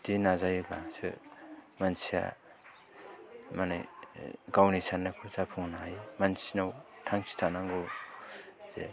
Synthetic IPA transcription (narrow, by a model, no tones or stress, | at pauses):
dinazajbasɯ̰mansia̰ | manḛ | ɡawnisʰanɯkʰɯzapʰuŋnajmansinawtʰaŋsʰi̥tʰanaŋɡo | z̥ḛ